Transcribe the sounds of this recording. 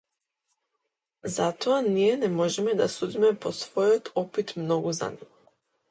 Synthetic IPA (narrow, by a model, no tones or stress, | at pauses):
zat̪oanijɛnɛmɔʒɛmɛd̪asud̪imɛposvɔjɔt̪ʰɔpit̪mnɔɡuza̰niɡo